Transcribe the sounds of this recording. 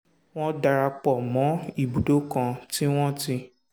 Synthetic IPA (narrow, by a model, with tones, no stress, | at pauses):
w̃ɔ̃˦da˧ɾa˧k͡pɔ˨mɔ̃˨˦i˦˨bu˨do˦kã˧ti˦w̃ɔ̃˦ti˧